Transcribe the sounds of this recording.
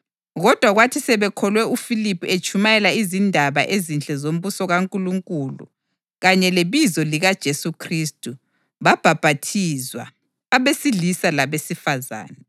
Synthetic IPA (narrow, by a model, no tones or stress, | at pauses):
ɣɔd̥ʱwaɣwatʰisɛβɛkʰɔlwɛufilipʰʼuet͡ʃʼʰumajɛlaizindʱaβa̰ʔezint͡ɬʼɛzom̩βusɔɣaŋkʼuluŋkʼulṵ | ɣaɲɛleβizɔliɣad̥ʒ̥ʱesukʰristʼu | βab̥ʱab̥ʱatʰizwa̰ː | βesilisalaβesifaza̰ːnɛ